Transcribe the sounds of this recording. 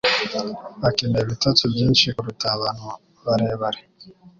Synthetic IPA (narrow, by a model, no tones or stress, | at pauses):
akinɛβitatuvin̩t͡ʃiuɾutaβanɔ | βaɾɛβaɾɛ